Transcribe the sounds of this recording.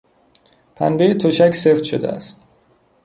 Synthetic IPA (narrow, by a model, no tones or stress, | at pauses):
pʰæ̰nbejet̪ʰoʃæcʰseft̪ʃo̰d̪eæ̰st̪̚